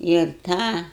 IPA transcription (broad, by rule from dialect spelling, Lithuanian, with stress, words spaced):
ɪr ˈtɑː